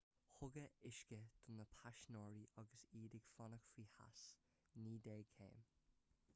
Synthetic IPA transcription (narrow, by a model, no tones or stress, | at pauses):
hʊɡəɪʃkəd̪̥ʊnəpʰaʃnɔːɹiʔɑɡəsiːd̪ɪɡ̥fɔnəkfɹiːha̰s | niːd̪eːkʰḛːm